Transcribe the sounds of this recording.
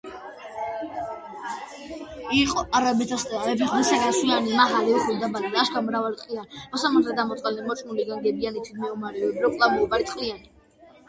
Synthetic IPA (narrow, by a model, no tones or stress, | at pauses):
iqʼɔʔaɾabɛt̪ʰast̪ʼɛaɛpʰiχd̪isaɡaswianimaɦalɛuχulid̪abad̪id̪aːʃkʰamɾavalt̪ʼqʼianmɔsamaɾt̪ɛd̪amɔt̪sʼɛnɛmɔt͡ʃʰʼnuliɡaŋɡɛbianit̪ʰid̪̚ʰmɛumaɾɛɔbɾɔkʼlˠamɛubaɾit̪ʼqʼiani